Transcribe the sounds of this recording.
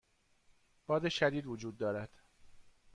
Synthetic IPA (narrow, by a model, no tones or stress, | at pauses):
b̥ɒːd̪eʃæd̪iːd̪vod͡ʒuːd̪̚ːɒːɾæd̪̥